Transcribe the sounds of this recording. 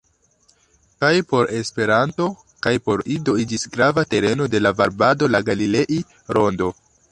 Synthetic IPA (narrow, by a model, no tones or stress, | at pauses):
kajpo̞ɾe̞spe̞ɾanto̞ | kajpo̞ɾido̞id͡ʒisɡɾavate̞ɾe̞no̞de̞lavaɾbado̞laɡalile̞ʔi | ɾo̞ndo̞